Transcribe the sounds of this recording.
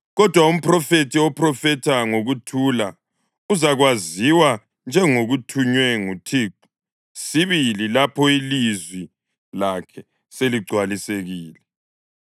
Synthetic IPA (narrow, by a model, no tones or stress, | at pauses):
ɣɔd̥ʱwaum̩pʰrɔfetʰiɔprɔfɛtʰaŋoɣutʰula | uzaɣwaziwa | nd͡ʒʱɛŋoɣutʰuɲwɛŋutʰiːǃu̥ | siβililapʰɔilizwi | lakʰɛ | seliɡ͡ǀʱwaliseɣiːlɛ